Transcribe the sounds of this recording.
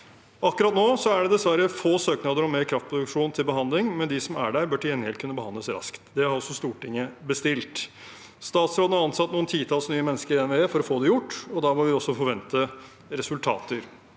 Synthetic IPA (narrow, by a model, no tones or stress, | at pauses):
ʔɑkːʉɾɑt̪noːsɔæɖɛd̪ɛsʋæɾəfoːsøːknɑd̪əɾɔmeːɾkʰɾɑft̪pʰɾʊd̪ʉkʂuːnt̪ʰɪlbəɦɑnd̪lɪŋmɛnd̪ɪsɔmæ̰ɖæɾbœʈʰɪɛnheːlkʰʉnːəbəhɑnd̪ləsɾɑ̰skt̪d̪ɛɑɾɔsːɔst̪uːʈɪŋːəbəst̪ɪlt̪ | st̪ɑːt̪sɾoːd̪n̩hɑɾɑnsɑt̪ːnuːənt̪ʰiːt̪ʰɑlsnyːəmɛnːəskəɾɛnʋɛeːfɔɾɔfoːd̪ɛjʊʈːɔd̪ɑːmɔʋɪɔsːɔfɔɾʋɛnt̪ə | ɾɛsʉlt̪ʰɑ̰ːt̪əɾ